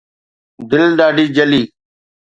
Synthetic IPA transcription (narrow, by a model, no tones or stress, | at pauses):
d̪ɪlɗaːɖiːd͡ʒəliː